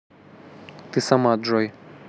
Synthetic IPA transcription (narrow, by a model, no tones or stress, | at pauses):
t̪ɨsamad̪ʐɔj